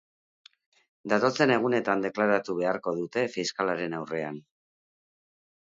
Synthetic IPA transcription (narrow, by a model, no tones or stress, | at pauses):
d̪at̪o̞t͡se̞ne̞ɣ̞une̞t̪and̪e̞klaɾat̪uβe̞aɾko̞ðut̪e̞fiskalaɾe̞nawre̞an